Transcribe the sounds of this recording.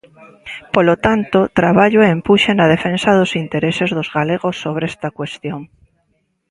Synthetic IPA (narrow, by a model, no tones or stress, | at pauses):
polot̪ant̪ot̪ɾaβ̞aʎoempuʃenað̞efẽnsaðosint̪eɾesezðozɣaleɣosːoβ̞ɾeest̪akwe̞st̪joŋ